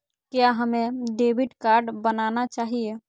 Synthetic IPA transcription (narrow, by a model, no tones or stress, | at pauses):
kjaɦəmẽɖeːbiʈkaːɾɖbənanat͡ʃaːɦie